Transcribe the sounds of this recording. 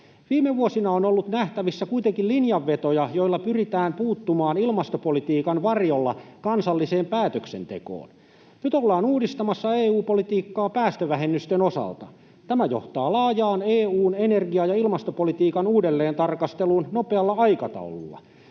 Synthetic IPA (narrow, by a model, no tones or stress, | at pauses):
ʋiːmeʋuosinɑonolːut̪næht̪æʋisːækuit̪eŋkillinjɑʋːet̪ojɑjoilːɑpyrit̪æːmpuːt̪ːumɑːnilmɑst̪opolit̪iːkɑnʋɑrjolːɑ̰kɑnsɑlːiseːmpæːt̪øksḛnt̪eko̰ːn | nyt̪olːɑːnuːdist̪ɑmɑsːɑeːuːpolit̪iːkːɑːpæːst̪øʋæɦenːyst̪enosɑ̰lt̪ɑ̰ | t̪æmæjo̰ht̪ɑːlɑːjɑːneːuːnenerɡiɑjɑilmɑst̪opolit̪iːkɑnuːdelːeːnt̪ɑrkɑst̪elunnopeɑlːɑɑikɑt̪ɑ̰ulṵlːɑ̰